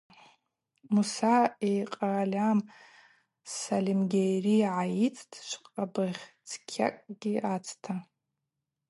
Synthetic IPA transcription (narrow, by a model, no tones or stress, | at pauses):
musaejqʼalʲam | salimɡʲejriʕajit͡sʰʼtʰʃʷqʼabɨʁʲt͡sʰkʲʰa̰kʼɡ̥ʲiat͡sʰtʰa